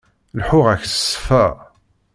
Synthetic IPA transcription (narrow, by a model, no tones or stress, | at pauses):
lħʊʁæçssːfæ